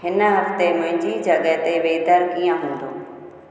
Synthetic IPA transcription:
ɦɪnɦɐft̪emʊ̃ɦɪ̃ɲd͡ʑid͡ʑɐɡəɦt̪eʋeːt̪əɾkiːjə̃ɦũːnd̪ʱoː

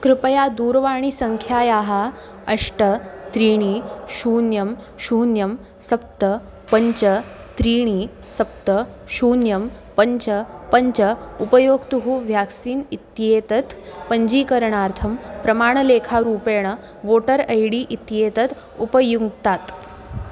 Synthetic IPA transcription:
kɾɪpəjad̪uːɾʋaːɳ̃isɐŋkʰjaːjaːɦa | ɐʂʈɐt̪ɾiːɽ̃iʃuːnjɐm | ɕuːnjɐm | sɐp̚t̪ə | pɐɲt͡ʃɐə | t̪ɾiːɳ̃iː | sɐp̚t̪ə | ʃuːnjɐm | pəɲt͡ʃəpəɲt͡ʃɐupəjoːɡt̪uɦuːʋjaksiːnit̪jet̪ɐt̪pəɲd͡ʑiːkəɾɳaːɾt̪ʰɐmpɾɐmaːɳ̃əleːkʰaɾuːpeːɽ̃ə | ʋoːʈəɾɐjɽiːʔit̪jeːt̪ɐt̪ | upəjuɡt̪at̪

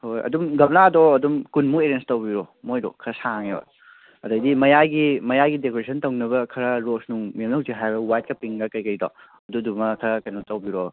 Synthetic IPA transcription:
hojɐ̰dumɡɐbnadɔɐdumkunmueɾenstɐwbiɾomojdɔ̰kʰɐɾɐsaŋebɐ̰ | ɐdɐjdimɐjajɡimɐjajɡidekoɾesʰɐntɐwnɐβɐkʰɐɾɐɾosnuŋmjemnɐwziɦajbɐwajt̚kɐpiŋɡɐkɐjkɐjdɔ̰ | ɐdudumɐkʰɐɾkɐjmutɐwbiɾo

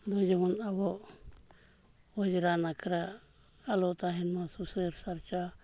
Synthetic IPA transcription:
lɔd͡ʒɛmɔnabɔʔ | ɔd͡ʒɾanakʰɾaː | lɔt̪aɦɛnmasusəɾsaɾt͡ʃa

